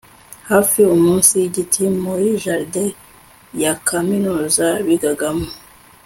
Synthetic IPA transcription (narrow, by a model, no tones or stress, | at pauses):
haːfiumuːnsijiɟitʰimojiʒaɾde | jakʰaminuzaβiɡaɡamo